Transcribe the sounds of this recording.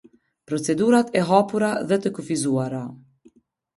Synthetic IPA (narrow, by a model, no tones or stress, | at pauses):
pɾɔt͡sɛd̪uɾat̪ɛɦapuɾaðɛt̪əkufizuaɾa